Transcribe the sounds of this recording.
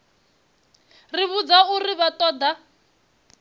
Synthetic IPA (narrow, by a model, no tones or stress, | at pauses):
riβud͡zauriβatʼɔːd̪a